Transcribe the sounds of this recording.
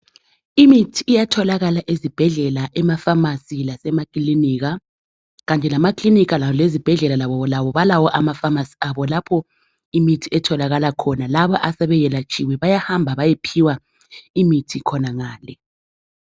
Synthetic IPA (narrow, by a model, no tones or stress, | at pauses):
imitʰiːjatʰɔlaɣalaʔezib̥ʱɛɮɛlaʔɛmafamasilasɛmakʼliniːɣ̬a | ɣantʼɛlamakʼlinikalalezib̥ʱɛɮɛlalaβɔɔlaβɔβalawɔʔamafamasi̥aβɔlapʰɔ | imitʰiɛtʰɔlaɣalakʰɔnalaβɔʔasɛβɛjɛlat͡ʃʰʼiwiβajahambʱaβajepʰiwa | imitʰikʰɔnaŋaːlɛ